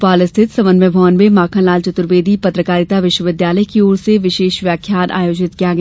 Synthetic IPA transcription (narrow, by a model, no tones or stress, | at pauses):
paːlɪst̪ʰɪt̪sɐʋənməbʱɔːnmemaːkʰãlaːlt͡ʃɐt̪ʊɾʋeːd̪ʱipɐt̪ɾəkaːɾɪt̪aʋɪʃwəʋɪd̪jaːləjkioːɾseʋɪʃeːʃʋjaːkʰjaːnʔa̰ːjoːd͡ʒɪt̪kijaɡɐ